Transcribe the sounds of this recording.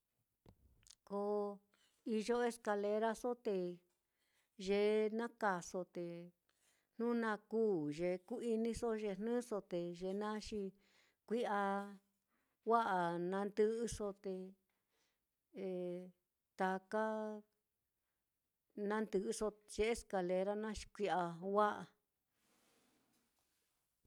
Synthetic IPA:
ko˧ | i˧ʒo˦e˦ska˧le˧ɾa˦so˦t̪e˧ | ʒe˧˨nã˦ka˨so˧t̪e˨ | n̥nũ˦nã˧kuː˦ʒe˨ku˦i˧nĩ˧so˦ʒe˧n̥nɨ̃˦so˧t̪e˨ʒe˧˨nã˦ʂi˧ | kʷi˦a˧ | wa˦ʔa˨nã˧nd̪ɨ˧ʔɨ˧so˧t̪e˧˨ | t̪a˨ka˦ | nã˦nd̪ɨ˧˨ʔɨ˧so˧ʒ̥e˧e˦ska˧le˧ɾa˦nã˦ʃi̥˧kʷi˧a˧wa˦ʔa˨

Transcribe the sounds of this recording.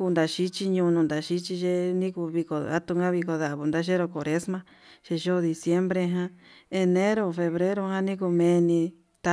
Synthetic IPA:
u˧nd̪a˨ʃi˦t͡ʃi˧ɲũ˧nũ˧nd̪a˨ʃi˦t͡ʃi˧ʒe˦nĩ˦ku˧βi˧ko˧˨a̰˦t̪u˧ŋɡã˦βi˧ko˧ða˨βu˨nd̪a˧˦ʃ̬e˦ɾo˧ko˨ɾe˦smã˧ | ʃe˧ʒo˦˧ði˧sje˦mbɾe˧ɦã˦e˧nẽ˦ɾo˧fe˧βɾe˦ɾo˧ɦã˦nĩ˦ku˧mẽ˧nĩ˧ | t̪a˧

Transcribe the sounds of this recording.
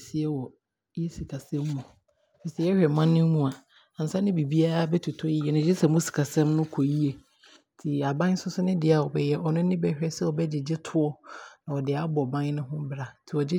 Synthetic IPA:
si˨ɛ˦wɔ˨ | jɛ˦si˨kʰa˨sɛ̃˦mː˦ũ˨ | fi˨sɛ˨˦jɛ˦hᶣɛ˨mã˦nːɪ̃˦mũ˦a˨ | a˨n̩˨sã˦nɪ̃˦bi˨bi˦a˦ɾa˦bɛ˦tʰu˨tʰɔ˦ji˦jɛ˨nɪ̃˨d͡ʑɪ˦sɛ˨mũ˦si̥˨kʰa˨sɛ̃˦mnʊ̃˦kʰo˨ji˦e˨ | tʰɪ˨a˨bã˦n˦sʊ˦sʊ˦nɪ̃˦dɪ˦a˨wɔ˨bɛ˦jɛ˦ʔɔ˨nʊ̃˦nɪ̃˦bɛ˦hᶣɛ˦sɛ˦ɔ˨bɛ˦d͡ʑɪ˨d͡ʑɪ˦tʰʊ˦ɔ˦nã˨ɔ˨dɪ˨a˦bɔ˨bã˦nʊ̃˦ɦʊ̃˦bɾa˨tʰɪ˨ɔ˨d͡ʑɪ˦

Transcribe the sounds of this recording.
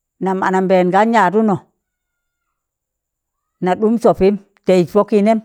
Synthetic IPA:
na˨ma̰˨na˨mbe˨nɡa˦ɲa˨du˦no˨ | na˨ɗu˦mso˨pi˦m | te˨i˨po˦ki˦ne˦m

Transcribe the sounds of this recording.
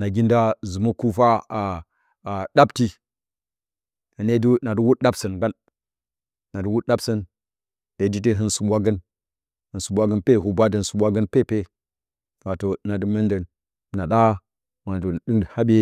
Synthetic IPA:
na˨ɡʲi˦nda˦zu˨mə˦ku˦fa˦˨ | a˨ɗa˦bti˦ | hə˨ne˦du˦na˨du˦wu˦tɗa˦bsə˨nɡa˦n | na˨du˦wu˦ɗa˦bsə˦n | d̥e˨˦di˦t̬e˦ɦɨ˦nsu˨ɓʷa˦ɡə˦n | hə˨nsu˨ɓʷa˦ɡə˦npe˦˨hu˨bʷa˦də˨n˨su˨ɓʷa˦ɡə˦npe˦˨pe˦˨ | a˨to˨na˨du˦mə˦ndə˨n˨ | na˨ɗa˦ | ma˨do˨dɨ˦ŋ˨ha˦be˦

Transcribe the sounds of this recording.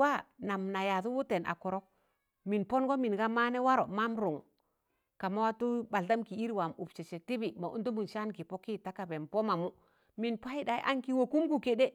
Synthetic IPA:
wa˦na˨mna˨ja˨tu˦wu˦te˨na̰˨ko˨ɾo˦k̚ | mi˨npo˦nɡo˦mi˨nɡa˦ma˦ne˦wa˦ɾo˨ma˦mɾu˨ŋ | ka˨ma˦wa˦tu˦ba˨lta˦mki˨i˦ɾwa˨mu˨bt͡ʃe˨t͡ʃe˨ti˦bi˨ma˨ʔṵ˦ntu˦mu˨nʃa˦nki˨po˦ki˦ta˦ka˨be˨npo˦ma˨mu˦ | mi˨npa˦i˦da˨jʔa˦ŋki˦wo˨ku˦mku˨ke˦de˦

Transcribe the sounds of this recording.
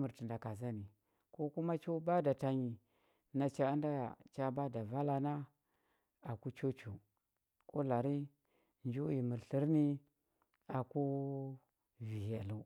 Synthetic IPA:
mu˨ɾti˨nda˨ka˨za˦ni˨ | ko˦ku˦ma˦t͡ʃo˦ba˦da˨ta˨ɲi˨ | na˨t͡ʃa˦a˦nda˦ja̰˨t͡ʃa˦ba˦da˨va˦la˨na˦ | a˨ku˦t͡ʃo˦t͡ʃo˨ | ko˦la˨ɾi˦ | nd͡ʒu˦ji˨mu˨ɬi˦ɾni˦ | a˨ku˦ | vi˨ha˨lu˦

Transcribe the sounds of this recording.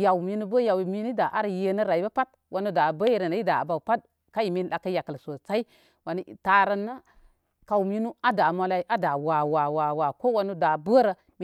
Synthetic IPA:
ja˨wmi˦nu˦bə˦ja˨wmi˦nu˦da˨ʔa˦ɾə˨je˨nə˦ɾa˨i˦ba˦pa˦t̚ | wʔa˨nu˦da˨bə˦je˦˨ɾə˨na˨˦i˦da̰˨ba˨wpa˦t̚ | ka˦ji˨mi˦n˦la˨kːə˦ja˨kə˨lso˨t͡sa˦i˦ | wa˨ni˦˨ta˨ɾa˦nːa˦ | ka˨wmi˦nu˦a˦da˨mo˨la˨i˦ʔa˦da˨wa˨wa˨wa˨wa˨ko˦wa˦nu˦da˨bə˦ɾə˨ | m˦

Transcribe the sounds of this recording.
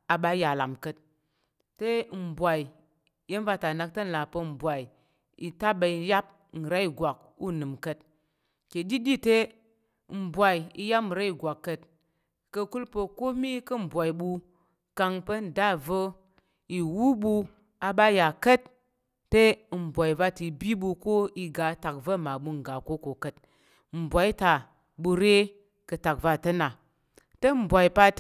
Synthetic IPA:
a˨ɓa˦ja˨la̰˨mkə˨t̚ː | e˦m̩˨bʷa˨i˨ | je˦n˦va˧ta˨na˧k̚tə˦n̩˨la˨pə˧m̩˨bʷa˨i˨ | i˨ta˦ɓa˨i˧ja˦p̚ | n̩˨ɾa˦i˨ɡwʷa˨k̚ | u˦nɨ˨mkə˦t̚ | ke˨di˦di˦te˦ | m̩˨bʷa˨i˨i˧ja˦pm˨ɾa˦i˨ɡʷa˨kːə˨t | kə˧ku˦lpə˧ko˦mi˦kə˦m̩˨bʷa˨i˨ɓu˧ | ka˧ŋpə˦n̩˨da˦və˦ | i˨wu˦bu˧ | a˧ɓa˦ja˨kə˦t | te˦˨m̩˨bʷa˨i˨va˧ti˨bi˦bu˧ko˦i˧ɡa˨˦ta˨k̚və˦˨ma˨ɓu˧ŋ˨ɡa˨ko˦ko˨kə˨t̚ | m̩˨bʷa˨i˦ta˨ | bu˧ɾe˦ | kə˧ta˨k̚va˧˨tə˦na˨ | te˦m̩˨bʷa˨i˨pa˧t

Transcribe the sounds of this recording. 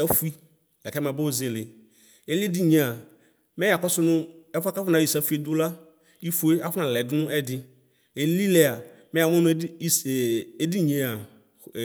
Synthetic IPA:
a˦fu˦i˦ | lɛ˨kɛ˦mã˨be˦wo˦ze˨le˨ | e˦li˦e˦di˦ɲẽ˨a˨ | mɛ˦a˨kɔ˦sʊ˦nʊ̃˦ɛ˦fa˦ka˦fʊ˦nã˨˦i˨sa˦fu˦e˦d̪ʊ˦la˦ | i˦fo˨˦e˦a˦fʊ˦nã˨lɛ˨dʊ˦nʊ̃˦ɛ˦dɪ˦ | e˨li˦lɛ˨a˨mɛ̃˦a˨m˦ɔ˦n˦e˦di˦ɲẽ˨a˨

